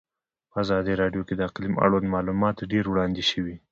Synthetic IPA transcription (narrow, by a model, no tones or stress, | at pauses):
pəazɑd̪iɾɑɖjoked̪əaqlima̰ɽwand̪mɑlumɑt̪ɖeɾwɽɑnd̪eʃəwi